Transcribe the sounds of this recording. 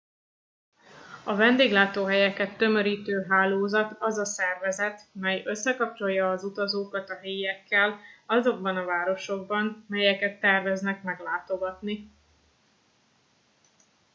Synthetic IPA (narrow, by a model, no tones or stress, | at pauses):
ɒvɛnd̪eːɡlaːt̪oːɦɛjɛkɛt̪ːø̞mø̞ɾiːt̪øːɦaːloːzɒt̪ɒzɒsɛrvɛzɛt̪mɛjø̞sːɛkɒp̚t͡ʃo̞jːɒːzut̪ɒzoːkɒt̪ɒɦeːjɛkːɛlɒzo̞ɡ̚bɒnɒvaːɾo̞ʃo̞ɡ̚bɒnmɛjɛkɛt̪ːɛrvɛznɛkmɛɡlaːt̪o̞ɡɒt̪ni